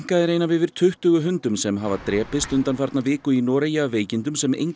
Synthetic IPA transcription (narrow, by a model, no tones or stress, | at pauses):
kaðɪɾeːjnavɪðvɪɾ̥t̪ʰʏht̪ʏɣʏɦʏnt̪ʏmsɛmɦavat̪ɾɛːpɪst̪ʏnt̪anfaɾt̪navɪːkʏinɔːɾejaːveːjcɪnt̪ʏmsɛmḛjŋ